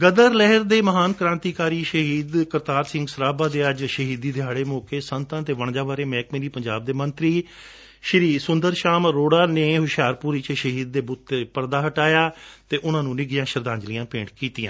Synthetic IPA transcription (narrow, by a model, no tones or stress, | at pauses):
ɡəd̪əɾlɛɦəɾd̪eːməɦaːnkɾãːnt̪iːkaːɾiːʃəɦiːd̪kəɾt̪aːɾsɪ̃ŋɡsəɾaːbaːd̪eːəd͡ʒʃəɦiːd̪iːd̪eːɦəɽeːmoːkeːsənt̪ãːt̪eːʋəɳ̃d͡ʒaːʋaːɾeːmɛ̃ːkmeːɾiːpəɲd͡ʒaːb̚d̪eːmənt̪ɾiː | ʃɪɾiːsʊnd̪əɾʃaːmɾoːɽaːneːɦʊʃjaːɾpuːɾit͡ʃʃəɦiːd̪̚ːeːbʊt̪ːpəɾd̪aːɦəʈaːjaːt̪eːʔʊnãːnũːnɪɡɪjãːʃəɾd̪ãːɲd͡ʒlɪijãːpẽːɳʈkiːt̪ɪjãː